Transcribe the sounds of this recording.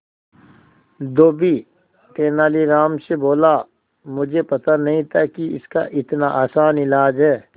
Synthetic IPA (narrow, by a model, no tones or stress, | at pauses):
d̪oːbi | t̪eːnaːliɾaːmseboːla | mʊd͡ʒʱepɐt̪anɐɦĩt̪ʰakiɪ̰ska̰ʔɪt̪naʔaːsaːnɪlaːd͡ʒɦɛː